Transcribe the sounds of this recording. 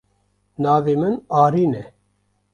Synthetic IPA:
naːveːmɨnaːɾiːnɛ

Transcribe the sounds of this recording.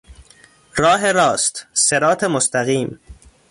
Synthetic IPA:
ɾɒːɦeɾɒːst̪seɾɒːt̪ʰemost̪æɣiːm

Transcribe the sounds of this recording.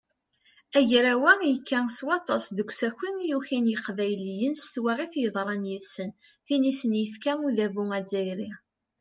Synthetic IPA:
æʝɾæwæjəkːæŋswɑt̪ˤɑsˤðəɡʷsækʷːiŋijuçinjəqvæjlijənst̪wæʁiθjəðˤɾˤɑnjəðsən | θinisənjəfkæmuðævuŋæd͡zːæjɾi

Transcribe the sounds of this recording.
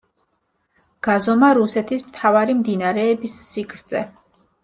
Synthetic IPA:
ɡ̥azɔmaɾusɛt̪ʰismt̪ʰavaɾimd̪inaɾɛːbisːikʰɾtd̪z̥ɛ

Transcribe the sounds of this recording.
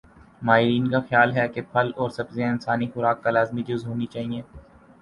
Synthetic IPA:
maːɦɪɾiːnkaxjaːlɦɛkepʰɐlɔːɾsɐbziaɪnsaːnixʊɾaːkːalaːzmid͡ʒʊzɦoːnit͡ʃaːɦiẽː

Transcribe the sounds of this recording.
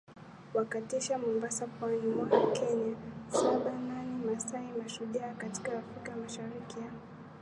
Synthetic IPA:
wakatɛʃamɔmbasapwanimwakɛɲasaɓananimasaimaʃuʄaːkati̥kaːfɾikamaʃaɾikia

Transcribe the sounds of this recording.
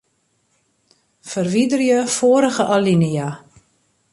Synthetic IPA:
fərʋidərjəfoəɾəɣəʔalinəja

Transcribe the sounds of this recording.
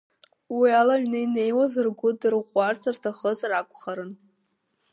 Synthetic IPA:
wialaɥᶣnɨine̞jwazɨrɡʷʊdɨrʁʷart͡sʰartʰaχət͡sʼrakʷʰʼχaɾɨn

